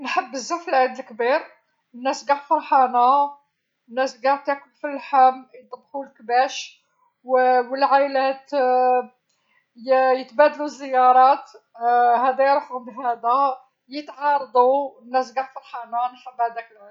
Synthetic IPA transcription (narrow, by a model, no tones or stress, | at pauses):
nħəbːəzːufəlʕid̪əlkbiɾ | nːæsɡæʕfɑɾˤħɑnæ | nːæsɡɑʕt̪ækʊbfilːħamt̪ˤːəb̪xulkbæʃ | wwəlʕajlæt̪ | jjət̪bæd̪luzːəjːɑɾˤɑt̪ | hæd̪æjɾˤfɣb̪ihæd̪æ | jət̪ʕɑɾˤd̪ˤunːæs̬ɡaʕfɑɾˤħɑnænħəbːhæd̪æklæ